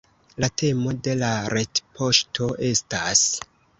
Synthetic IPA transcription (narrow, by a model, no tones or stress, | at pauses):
late̞mo̞de̞laɾetpʰo̞ʃtʰo̞ʔe̞stas